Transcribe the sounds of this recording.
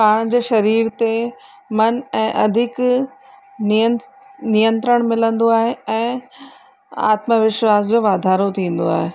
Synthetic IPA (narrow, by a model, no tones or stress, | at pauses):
paːɽ̃d͡ʑeːʃɐɾiːɾt̪e | mɐnɛ̃ːʔɐd̪ʱɪk | nijə̃nt̪ɾəɽ̃mɪlə̃nd̪oaːɦeɛ̃ː | a̰ːt̪məʋɪʃwaːs̬d͡ʑoːʋaːd̪ʱaːɾot̪ʰĩːn̆d̪oaːɦeː